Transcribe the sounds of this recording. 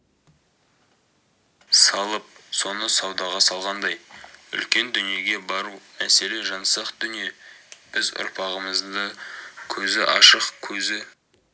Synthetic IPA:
sɑlˠəp̚so̞nəsɑwd̪ɑʁɑsɑlˠʁɑnd̪ɑjʏ̰lkʲe̞nd̪ʏnije̞ɡʲe̞bɑɾumæse̞le̞ʒɑnsɑqd̪ʏnije̞b̥ɪzʊ̰ɾpʰɑʁəməzd̪əkʲʰɵzɪʔɑʃəqkʲʰɵzɪ

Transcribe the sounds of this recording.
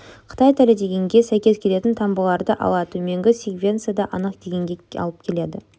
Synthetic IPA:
qʰə̥t̪ɑjt̪ʰælɪd̪e̞ɡʲe̞ŋɡʲe̞sæjkʲe̞zkʲʰe̞le̞t̪ɪnt̪ʰɑmbəlˠɑɾd̪əʔɑ̰lˠɑt̪ʰɵme̞ŋɡʲɪsʲiɡvʲe̞nt̪sɨjad̪ɑʔɑnəqd̪̥e̞ɡʲe̞ŋɡʲeɑ̰lˠəp̚kʲʰe̞le̞d̪ɪ̰

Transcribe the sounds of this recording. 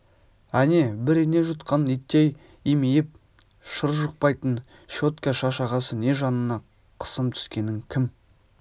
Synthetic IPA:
æne̞bɪɾene̞ʒʊt̪̚qʰɑnit̪ːej | imijɪp̚ | ʃəɾʒəq̚pɑjt̪ən | ʃo̞t̪kʲaʃɑʃɑʁɑsəne̞ʒɑnənɑ | qʰə̥səmt̪ʰʏ̥skʲe̞nɪŋkʲʰɪm

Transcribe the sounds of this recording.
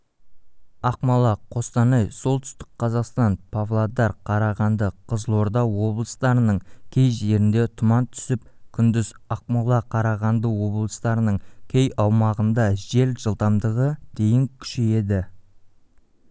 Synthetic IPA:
ɑqmɑlˠɑqʰo̞st̪ɑnɑjsolˠt̪ʰʏ̥st̪ɪ̥k̚qʰɑzɑqst̪ɑnpʰavlˠad̪ɑɾqʰɑɾɑʁɑnd̪əqʰəzlˠo̞ɾd̪ɑwo̞blˠəst̪ɑɾənəɴkʲʰe̞jʒe̞ɾɪnd̪e̞t̪ʰʊmɑnt̪ʰʏ̥sɪp̚kʲʰʏnd̪ɪzɑq̚mɑlˠɑqʰɑɾɑʁɑnd̪əwo̞blˠəst̪ɑɾənəɴkʲʰe̞jɑwmɑʁənd̪ɑʒe̞lʒəlˠd̪ɑmd̪əʁəd̪̥e̞jɪŋkʲʰʏ̥ʃeje̞d̪ɪ

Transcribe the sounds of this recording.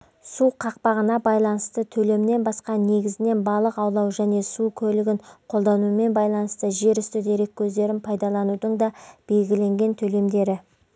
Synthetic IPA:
suqʰɑq̚pɑʁənɑbɑjlˠɑnəst̪ət̪ʰɵle̞mɪne̞nbɑsqɑne̞ɡʲɪzɪne̞nbɑlˠəqɑwlˠɑwʒæne̞sukʲʰɵlɪɡʲɪɴqʰo̞lˠd̪ɑnume̞nbɑjlˠɑnəst̪əʒe̞ɾʏst̪ɪd̪e̞ɾe̞kʲʰːɵzd̪e̞ɾɪnpʰɑjd̪ɑlˠɑnud̪əɴd̪ɑb̥e̞lɡʲɪle̞ŋɡʲe̞nt̪ʰɵle̞md̪e̞ɾɪ

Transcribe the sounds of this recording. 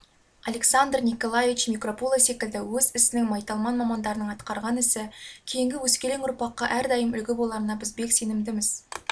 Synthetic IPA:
ɑle̞ksand̪rnijko̞lˠajevʲit͡ʃmʲikro̞polˠese̞kʲɪld̪ɪwɵzɪsɪnɪŋmɑjt̪ɑlˠmɑnmɑmɑnd̪ɑɾənəɴɑt̪qɑɾʁɑnɪsɪkʲʰe̞jɪŋɡʲɪwɵskʲe̞leŋʊɾpɑqːɑʔæɾd̪ɑjəmʏlɡʲɪbo̞lˠɑɾənɑbɪzbe̞kse̞nɪmd̪ɪmɪz̥

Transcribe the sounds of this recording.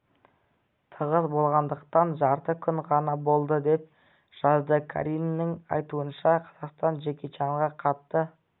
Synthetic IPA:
t̪ʰəʁəzbo̞lˠʁɑnd̪əqt̪ɑnʒɑɾt̪əkʲʰʏɴʁɑnɑbo̞lˠd̪əd̪e̞p̚ | ʒ̥ɑzd̪əkʰa̰ɾinnəŋɑ̰jt̪uənʃɑqʰɑ̥z̥ɑqst̪ɑnʒe̞kʲe̞t͡ʃɑɴʁɑqʰɑt̪ːə

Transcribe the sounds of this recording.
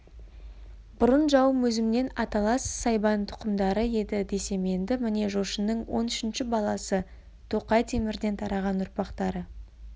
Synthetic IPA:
bʊɾənʒɑwmɵzɪmne̞nɑt̪ɑlˠɑssɑjbɑnt̪ʰʊ̥qəmd̪ɑɾəje̞d̪ɪd̪e̞se̞me̞nd̪ɪmɪne̞ʒo̞ʃənːəɴwo̞nʏʃɪnʃɪbɑlˠɑsə | t̪ʰo̞qɑjt̪ʰemɪɾd̪e̞nt̪ʰɑɾɑʁɑnʊɾpɑqt̪ɑɾə

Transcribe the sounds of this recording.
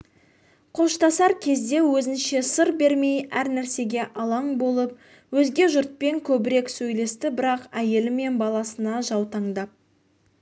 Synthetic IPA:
qʰo̞ʃt̪ɑsɑɾkʲʰe̞zd̪e̞wɵzɪnʃe̞səɾbe̞ɾme̞jæɾnæɾse̞ɡʲe̞ʔɑlˠɑɴbo̞lˠəp̚ | wɵzɡʲe̞ʒʊɾt̪̚pe̞ŋkʲʰɵbɪɾe̞ksɵjle̞st̪ɪbɪɾɑqæje̞lɪme̞nbɑlˠɑsənɑʒɑwt̪ɑɴd̪ɑp̚

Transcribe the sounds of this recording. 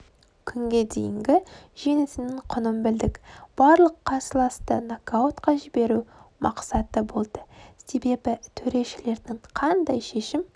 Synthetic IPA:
kʲʰʏŋɡʲe̞d̪e̞̰jɪŋɡʲɪʒe̞nɪsɪnɪŋqʰʊnəmbɪld̪ɪkb̥ɑɾlˠəqʰːɑsəlˠɑst̪ənakaot̪qɑʒɪbe̞ɾumʔɑqsɑt̪əbo̞lˠd̪̥əse̞be̞bɪt̪ʰɵɾe̞ʃɪle̞ɾd̪ɪŋqʰɑnd̪ɑjʃe̞ʃɪm

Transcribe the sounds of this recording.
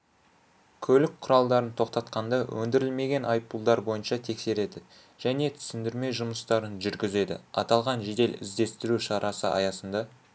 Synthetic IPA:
kʲʰɵlɪk̚qʰʊɾɑlˠd̪ɑɾənt̪ʰo̞qt̪ɑt̪qɑnd̪ɑwʔɵ̰nd̪ɪɾɪlme̞ɡʲe̞nɑjpːulˠd̪ɑɾbo̞jənʃɑt̪ʰe̞kse̞ɾe̞d̪ɪ | ʒ̥æne̞t̪ʰʏ̥sɪnd̪ɪɾme̞ʒʊməst̪ɑɾənʒʏɾɡʲɪze̞d̪ɪ̰ɑ̰t̪ɑlˠʁɑnʒe̞d̪e̞lɪ̰zd̪e̞st̪ɪɾuʃɑɾʔɑsə̰ʔɑ̰jɑsənd̪ɑ

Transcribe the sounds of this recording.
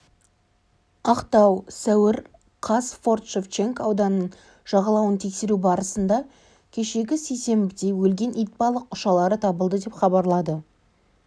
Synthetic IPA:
ɑqt̪ɑwsæwɪɾ | qʰɑsfo̞rt̪ʃeft͡ʃe̞ŋkɑwd̪ɑnəɴ | ʒ̥ɑʁɑlˠɑwənt̪ʰe̞kse̞ɾubɑɾəsənd̪ɑ | kʲʰe̞ʃe̞ɡʲɪse̞jse̞mbɪd̪e̞jwɵlɡʲe̞nʔijt̪̚pɑlˠəq̚ʊʃɑlˠɑɾət̪ʰɑbəlˠd̪əd̪e̞pχɑbɑɾlˠɑd̪ə

